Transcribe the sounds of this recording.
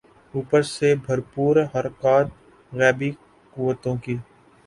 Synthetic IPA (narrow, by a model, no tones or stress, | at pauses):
uːpəɾsebʱəɾpuːɾɦəɾkaːt̪̚ | ɣɛːbi | kʊːʋət̪õkiː